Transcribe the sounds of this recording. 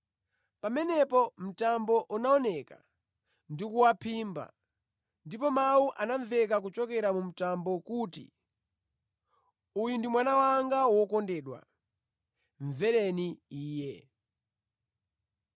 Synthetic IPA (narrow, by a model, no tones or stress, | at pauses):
pamɛnɛpɔm̩tambɔʔunaɔnɛka̰ | ndikuwapʰimba̰ | ndipɔmawuʔanaɱvɛk̬ak̬ut͡ʃɔkɛɾamum̩tambɔkutḭ | ujundimwanawaŋɡawɔkɔndɛːɗwa̰ | ɱvɛɾɛniiːjɛ